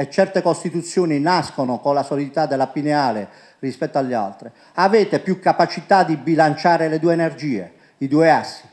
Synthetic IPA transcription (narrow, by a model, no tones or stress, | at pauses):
ɛt͡ʃːɛrt̪ekost̪it̪ut̪sːjoːninaskonokonlasolid̪it̪ad̪ɛlːapineaːle | rispɛt̪ːoaʎːa̰lt̪ɾi | avɛːt̪epjukːapat͡ʃit̪ad̪ibilant͡ʃaːɾeled̪uːeːnerd͡ʒiːḛ | id̪uːeasːi̥